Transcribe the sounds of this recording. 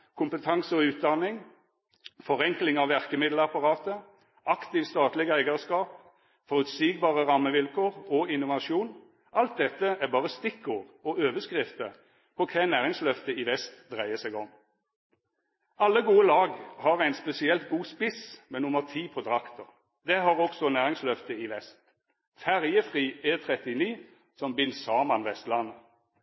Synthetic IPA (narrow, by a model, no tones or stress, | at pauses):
kʰʊmpət̪ʰɑŋsəɔʉːt̪̚d̪ɑnɪŋ | fɔʁɛŋklɪŋɑʋʋæʁkəmɪd̪ləɑpɑʁɑːt̪ə | ɑkt̪ɪʋst̪ɑːt̪lɪɡæɪɡəʁskɑːp | fɔʁʉt̪siːɡbɑːʁəʁɑmːəʋɪlkʰoːʁɔɪnʊʋɑʃuːn | ʔɑlt̪̚d̪ɛt̪ːəæʁbɑːʁəst̪ɪkːoːʁɔøːʋəskʁɪft̪ə | pʰɔkʰænæːʁɪŋslœft̪əɪʋɛst̪d̪ʁæɪəsɛɡɔm | ɑlːəɡuːəlɑːɡhɑʁæɪnspɛsɪɛlt̪̚ɡuːspɪsmɛnʊməʁt̪ʰiːpʰɔt̪ʁɑkt̪ɔʁ | d̪ɛɦɑʁɔksɔnæːʁɪŋslœft̪əɪʋɛst̪ | fæʁjəfʁiːeːt̪ʰʁɛt̪ɪniː | sɔmbɪlsɑːmɑnʋɛst̪lɑnə